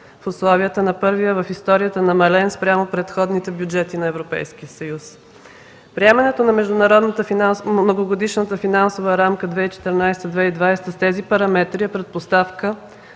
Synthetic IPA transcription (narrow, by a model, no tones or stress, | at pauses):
fʊslˠɔviət̪ənɐpɤɾvijəvəfist̪ɔɾijət̪ənɐmɐlɛnspɾʲamopɾɛt̪xɔd̪nit̪ɛbjud͡ʒɛt̪inɐɛvɾopɛ̰jsk̟iəsɐjus | pɾiɛmɐnɛt̪onɐmɛʒd̪ʊnɐɾɔd̪nət̪ənoɡoɡod̪iʃnət̪əfinansovəɾamkəd̪vɛit͡ʃɛ̥t̪əɾnajst̪əd̪vɛid̪vajst̪əst̪ɛzipɐɾɐmɛt̪ɾiɛpɾɛt̪̚post̪afkə